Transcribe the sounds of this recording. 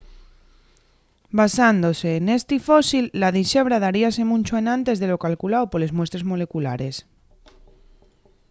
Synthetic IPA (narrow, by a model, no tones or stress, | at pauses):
basand̪o̞se̞ːne̞st̪ifo̞silːaðiʃe̞β̞ɾað̞aɾiase̞mũnʲt͡ʃoenãnt̪e̞zðe̞lo̞kalkulaopole̞zmwe̞st̪ɾe̞zmo̞le̞kulaɾe̞s